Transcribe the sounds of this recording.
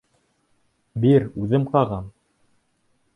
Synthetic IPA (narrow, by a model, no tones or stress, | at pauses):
biɾʉðɘmqɑʁɑm